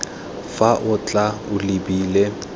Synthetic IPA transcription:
faʔʊt͡ɬʼaʊlɪbiːle

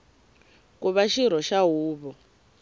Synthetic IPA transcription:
kuβaʃiɾ̤ɔʃaɦuːβɔ

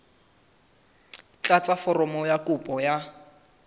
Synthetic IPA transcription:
t͡ɬʼat͡sʼafɔrɔmɔjakʼupʼɔja

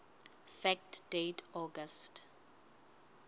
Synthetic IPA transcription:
fɛk̚td̥etʰɔɡəst

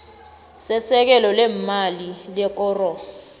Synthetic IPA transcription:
sɛsɛk̬ɛlɔlɛmalilɛk̬ʼɔːrɔ

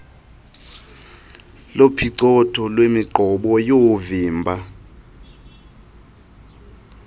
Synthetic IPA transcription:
lopʰiǀɔtʰɔlwemiɡ͡ǃʱɔɓɔjoviːmbʱa

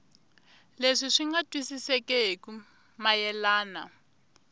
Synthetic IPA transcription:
leʂiʂiŋɡatʼwisisɛkʼɛɦeku | majɛlaːna

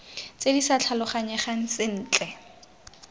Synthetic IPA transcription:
t͡sedisat͡ɬʰalʊχaɲɛχaŋ̩sɪn̩ːt͡ɬʼɛ

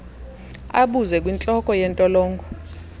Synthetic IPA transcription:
aɓuzɛkʼwint͡ɬʼɔkʼɔjɛntʼɔlɔːŋɡʱɔ

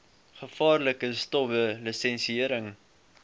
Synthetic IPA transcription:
χəfɑːrləkəstɔbəlisɛnsiəɾəŋ

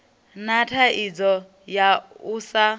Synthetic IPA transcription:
natʰaʔid͡zɔ | jausa

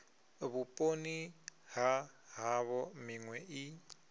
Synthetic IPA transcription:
βupʼoniɦaɦaβɔmiŋwɛʔi

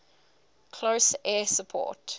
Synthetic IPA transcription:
kʰloʊsɛːsəpʰɔ̰ːˑt

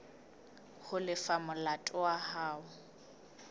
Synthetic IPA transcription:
hʊlɪfamʊlatʼʊahaːʊ

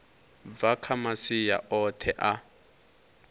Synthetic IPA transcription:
vakʰamasija̰ʔɔtʰɛʔa

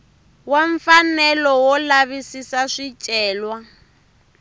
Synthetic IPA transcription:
weɱfanɛlɔwɔlaβisisaʂit͡ʃʼɛːlwa

